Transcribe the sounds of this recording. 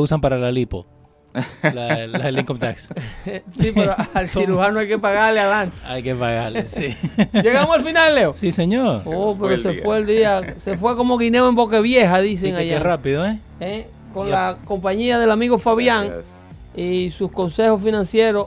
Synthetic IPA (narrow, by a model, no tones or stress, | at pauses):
usampaɾaelalipo̰ | lalaseliŋkomt̪akssipeɾoalsiɾuhanoajkepaɣaɾlealant̪e̥ajkepaɣaɾlesid͡ʒeɣamosalfinalleosiseɲoɾop̬eɾosefweːld̪iase̞fwe̞ko̞mo̞ɣineoembo̞keβje̞ɦaðis̬eŋajerapiðoe | e | ko̞nlako̞mpaɲiaðe̞lamiɣofaβjaŋ | isusko̞nse̞hosfinãnsje̞ɾo